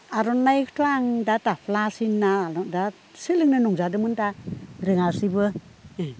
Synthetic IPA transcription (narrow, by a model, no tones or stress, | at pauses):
aɾɔnːajkʰtʰoaŋdatapʰlasinːada | silɯŋnɯnɔŋzadɯmɯntaɾɯŋasibɯ